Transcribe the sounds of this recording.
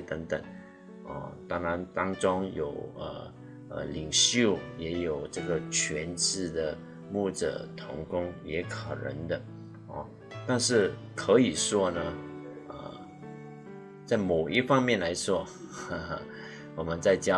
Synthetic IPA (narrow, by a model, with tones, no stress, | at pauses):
t̪ə˧˥ŋt̪ə̰˨˩ŋ | ə̰˥˧˩t̪ɑ˥ŋɻa˧˥nt̪ɑ˥ŋʈ͡ʂʊ˥ŋjo˨˩ʊə̰˩ | ə̰˧li˨˩ŋɕjo˥˩ʊjɛ˧˥jo˨˩ʊʈ͡ʂɤ˥˩ɡə˩t͡ɕʰɥɛ˧˥nt͡sɻ̩˥˩d̪ə˩ | mu˥˩ʈ͡ʂə̰˨˩t̪ʰʊ̰˧˥ŋkʊ˥ŋjɛ˧˥kʰə˨˩nə̰˧˥ŋd̪ə˧ | ɔ̰˥˧ | t̪a˥˧nʂɻ̩˥˩ | kʰɤ˧˥i˨˩ʂwɔ˥nə˧ | ə̰˧˩ | t͡sa˥˩ɪmo˨˩ʊi˥fɑ˥ŋmjɛ˥˩˨nla˧˥ɪʂwɔ˥˧ | wɔ˨˩mə˦nt͡sa˥˧ɪt͡ɕjɑ˥˧